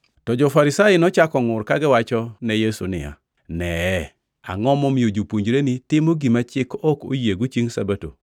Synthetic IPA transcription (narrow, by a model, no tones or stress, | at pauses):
tɔd͡ʒɔfaɾɪsajɪnɔt͡ʃakɔŋʊrkaɡɪwat͡ʃɔnɛjesṵnɪ̰ja̰ | nɛ | a̰ŋɔmɔmiod͡ʒopuɲd͡ʒɾenɪtɪmoɡimat͡ʃɪkɔko̰jeɡut͡ʃiŋsa̰bato̰